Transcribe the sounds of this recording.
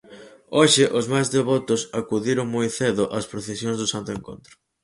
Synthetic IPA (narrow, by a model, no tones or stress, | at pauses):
oʃɪʔʊzmajzðeβ̞ɔt̪ʊsakuðiɾʊŋmojθeðʊʔaspɾoθesjoŋzðʊsant̪ʊeŋko̰nt̪ɾʊ